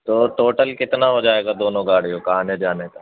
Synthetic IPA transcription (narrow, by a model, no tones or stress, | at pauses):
t̪oːʈoːʈəlkɪt̪naɦod͡ʒaːeːɡad̪oːnõɡaːɽ̤ijõkɐɦaːned͡ʒaːnek̪aː